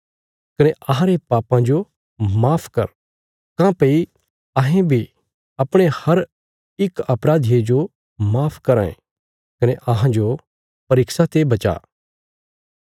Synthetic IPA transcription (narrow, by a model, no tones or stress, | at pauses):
kɐneʔɐɦãɾepaːpãd͡ʒo | maːpʰkɐɾ | kãːpɐi | ɐɦẽbʱi | ɐpɽ̃ehɐɾ | ɪkɐpɾaːd̪ʱied͡ʒo | maːpʰkɐɾaːḛ̃ | kɐneʔɐɦãd͡ʒo | pɐɾɪksat̪ebɐt͡ʃa̰ː